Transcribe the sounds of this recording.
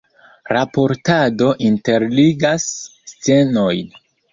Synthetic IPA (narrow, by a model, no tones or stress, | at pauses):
ɾapo̞ɾtado̞ʔinte̞ɾliɡasːt͡se̞no̞jn